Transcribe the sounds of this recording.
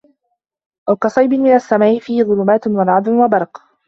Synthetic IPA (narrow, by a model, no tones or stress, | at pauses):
ʔawkɑsˤɑjbɪnmɪnasːamaːʔɪfiːhɪðˤʊlʊmaːt̪nwalʕɑd̪ˤnwabɑɾˤq